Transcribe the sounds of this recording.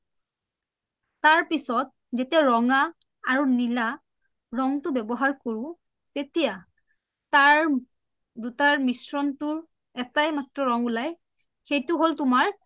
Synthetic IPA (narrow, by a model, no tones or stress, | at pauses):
taɹpisɔt̚ | zetiaɹɔŋaː | ɹunila | ɹɔŋtʊbɛbɔɦaɹkoɹʊ̃ | tetija | taɹ | dutaɹmisɹɔntʊɹ | ɛtajmatɹɔɹɔŋulaj | xejtʊɦoltʊmaɹ